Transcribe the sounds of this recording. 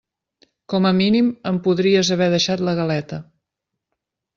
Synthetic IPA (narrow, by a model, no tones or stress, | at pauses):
kɔməminiməmpuðɾiəzəβ̞ɛðəʃat̪ləɣəlɛt̪ə